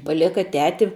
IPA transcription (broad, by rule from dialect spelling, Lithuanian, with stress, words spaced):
pɐˈlʲæːkɐ ˈtʲæːtʲɪ